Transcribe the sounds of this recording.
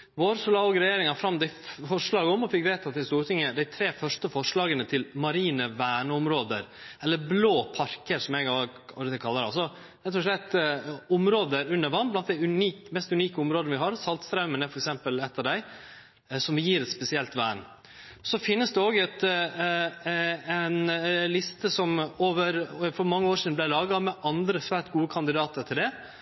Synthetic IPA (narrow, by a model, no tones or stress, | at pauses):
ʋoːɾəsɔlɑːɔɡəɾɛjeːɾɪŋɑfɾɑmd̪æɪfɔʂɭɑːɡəɔmɔfɪkɾæɪt̪ʰɑt̪ːɪst̪uːɾʈ̪ʰɪŋːəd̪æɪt̪ʰɾeːfœʂʈəfɔʂɭɑːɡənət̪ʰɪlmɑɾiːnəʋæːɳəʊmɾoːd̪əɾɛlːəɾbloːpʰɑɾkəɾsɔmɛɡɑɑ̰lɾət̪ʰɪlkʰɑlːəɾɑ̰lsɔ | ɾɛt̪ːɔʂ̬ɭɛt̪ːʊmɾoːd̪əɾʉnːəɾʋɑnblɑnt̪d̪æɪʉniːkmɛst̪ʉniːkəʊmɾoːd̪nəʋɪɦɑɾsɑlt̪st̪ɾɑʉmənəfɔɾɛksɛmpəlɛt̪ːəd̪æɪ | sɔmʋɪjiːɾɛt̪spɛsɪɛlt̪ʋæːən | sɔfɪnːəsd̪ɛoːɡɛt̪ | ɛnlɪst̪əsɔmoːʋəɾfɔɾmɑŋːəoːʂiːd̪n̩b̪læɪlɑːɡɑmɛʔɑnd̪ɾəsʋæːɾʈɡuːəkʰɑnd̪ɪd̪ɑːt̪əɾʈʰɪld̪ɛ